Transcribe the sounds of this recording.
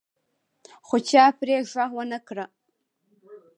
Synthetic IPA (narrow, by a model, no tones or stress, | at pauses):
χʷʊt͡ʃʰaːpʰreːʒʷaʁwɐnɐkʰɨrɐʔ